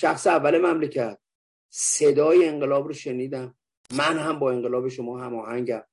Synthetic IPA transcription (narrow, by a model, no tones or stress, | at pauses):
ʃæxseævːæle̞mæmlecʰæt̪̚ | sed̪ɒːjeeŋɢelɒːbɾoʃe̞niːd̪æm | mːænhæmbɒːeɴɢelɒːbeʃomɒːɦæmɒːhæɲɟæm